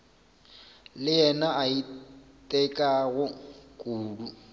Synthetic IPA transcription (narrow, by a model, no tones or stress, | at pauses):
lɪjɛnaaitʼɛkʼaɣʊkʼuːlu